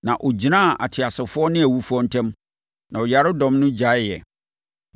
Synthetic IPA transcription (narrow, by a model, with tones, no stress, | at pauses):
nã˨ʔo˨d͡ʑi˨nã˦˨ʔa̰˨tʰɪ˨a˨sɪ˨fʊ˦ɔ˦nɪ̃˦æ˨wu˦fʊ˦ɔ˦n̩˦tʰɛ̃˦m | nã˨ɔ˨ja˨ɾɪ˦dɔ̃˨˦mnʊ̃˦d͡ʑa˨˦ɪ˦jɛ̰˨